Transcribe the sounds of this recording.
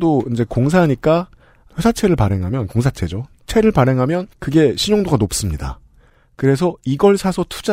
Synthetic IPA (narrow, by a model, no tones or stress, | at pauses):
doind͡ʑe̞koŋs̬ʰaɦaɲik͈a | ɸjesʰat͡ɕʰe̞ɾɯɭpaɾe̞ŋɦamjʌnkoŋs̬ʰat͡ɕʰe̞d͡ʑo | t͡ɕʰe̞ɾɯɭpaɾe̞ŋɦamjʌnkɯɡe̞ɕʰiɲoŋdoɡanop̚s͈ɯmɲida̰ | kɯɾe̞s̬ʰʌiɡʌɭsʰasʰʌtʰu̥d͡ʑa